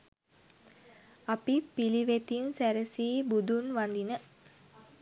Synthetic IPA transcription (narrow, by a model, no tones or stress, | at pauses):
apipiliʋet̪insæɾəsiːbud̪unʋand̪inə